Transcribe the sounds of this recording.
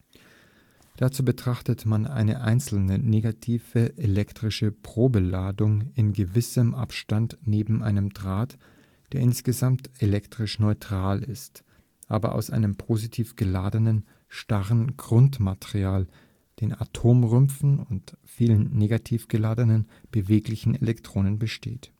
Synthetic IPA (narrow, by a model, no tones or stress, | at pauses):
d̥at͡suːbətʁ̥aχtətmana̰ɪnəʔa̰ɪnt͡sl̩nəneːɡatʰiːv̥əʔelɛktʁ̥ɪʃəpʁ̥oːbəlaːdʊŋɪnɡəvɪsəmʔa̰pʃtantneːbm̩ʔaɪnəmdʁaːt | d̥eːɐɪnsɡ̥əzamtelɛktʁ̥ɪʃnɔʏtʁ̥aːlɪst | ʔa̰ːbɐ̰ʔa̰ʊsʔa̰ɪnəmpʰoːzitʰiːfɡ̥əlaːdənən | ʃtaʁənɡʁʊntmatəʁiaːl | d̥eːna̰tʰoːmʁʏmfn̩ʊntfiːlənːeːɡatʰiːfɡ̥əlaːdənən | b̥əveːklɪçn̩ḛlɛktʁ̥oːnənbəʃtʰḛːt